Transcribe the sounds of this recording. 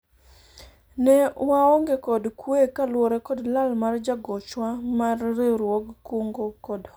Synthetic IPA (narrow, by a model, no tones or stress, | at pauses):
nɛwaoŋɡekɔdkwekalwɔɾɛkɔdlalmard͡ʒaɡɔt͡ʃwamarːeɾwoɡkoŋɡokɔd